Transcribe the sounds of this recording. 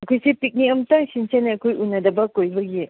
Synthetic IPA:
ɐkʰojsipik̚niɐmtaŋsinsenajɐkʰojunːɐdɐbɐkojbɐɡi

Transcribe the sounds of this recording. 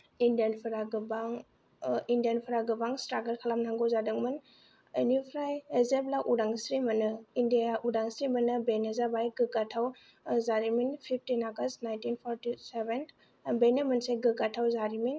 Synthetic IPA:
indijanpʰɯɾaɡɯbaŋ | indijanpʰɯɾaɡɯbaŋstɾaɡəɾkʰalamnaŋɡɯwzadɯŋmɯn | enipʰɾajezeplaʔuɾaŋsɾimɐnɯindiaʔudaŋsɾimɐnɯbenezabajɡɯɡatʰaw | zaɾiminpʰip̚ʰtinaɡɐstnajntinpʰɔɾtiseben | benemɯnseɡɯɡatʰawzaɾimin

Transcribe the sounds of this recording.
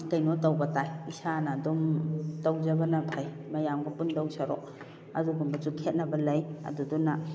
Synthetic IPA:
kɐjnotawbɐtajisanadɔmtawzɐbɐnɐpʰajmɐjamɡɐpundawsʰaɾɔ̰k̚ | ɐ̰zuɡunbɐsukʰet̚nɐbɐlɐjɐ̰duduna

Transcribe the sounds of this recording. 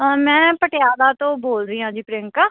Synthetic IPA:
mɛ̃ːpəʈɪjaːd̪aːt̪õːboːlɾiːãːd͡ʒiːpɾɪŋkaː

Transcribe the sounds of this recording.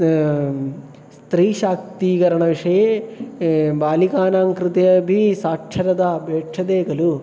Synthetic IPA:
st̪ɾiːʃaːk̚t̪iːɡɐɾɐɳɐʋiʂɐje | baːlikaːnaːŋkɾɪt̪ɐjɐbʱisaːkʂʰɐɾɐd̪ɐbʱeːʈʂʰɐd̪eːɡɐlu

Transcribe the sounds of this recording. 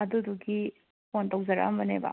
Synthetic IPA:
ɐduduɡi | pontɐwzɐɾa̰mbɐnebɐ̰

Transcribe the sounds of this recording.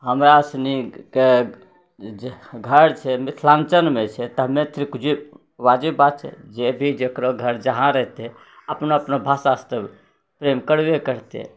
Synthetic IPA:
ɦəmɾaəsnike | ɡʱəɾt͡ʃʰɛmit̪ʰlant͡ʃənmet͡ʃʰɛt̪əɦmet̪ʰiɾikud͡ʒi | ʋad͡ʒebat̪̚t͡ʃʰɛ̰d͡ʒebʱid͡ʒekɾoɡʱəɾd͡ʒəɦãɾəɦt̪ɛ | əpnoəpnobʱasast̪ə | pɾemkəɽʋekəɾt̪ḛ

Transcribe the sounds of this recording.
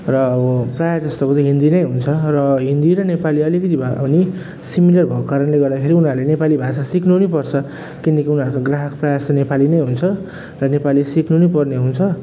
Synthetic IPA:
rʌʌprajad͡zʌst̪okot͡sʌ̃ɦind̪inʌjɦunt͡sʰʌrʌɦind̪iɾʌnepaliʌlikʌt̪ibʱani | similʌrbʱʌkokaɾʌnleɡʌrd̪akʰeɾiunɦaɾulenepalibʱasasiknunipʌrt͡sʰʌ | kinʌkiunʌɾukoɡraɦʌkprʌjasnepalinʌjɦunt͡sʰʌ | rʌnepaliesikʰnunepʌrneɦunt͡sʰʌ

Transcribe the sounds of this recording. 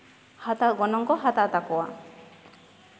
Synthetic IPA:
hat̪aɡɔnɔŋkɔɦat̪at̪akɔwa̰

